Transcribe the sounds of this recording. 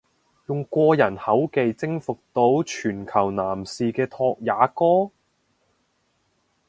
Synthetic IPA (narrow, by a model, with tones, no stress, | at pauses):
jʊ˨ŋkʷɔː˧jɐ˨˩nhɐ˨˥wke˨˧jt͡sɪ˥ŋfʊ˨k̚t̪o˨˥wt͡ʃʰyː˨˩nkʰɐ˨˩wnaː˨˩msiː˨kɛː˧t̪ʰɔː˧k̚jaː˨˧kɔː˥